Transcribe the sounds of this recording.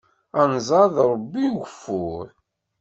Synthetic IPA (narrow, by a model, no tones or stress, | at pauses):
ænzˤɑðɾˤəbːiɡəfːʊɾ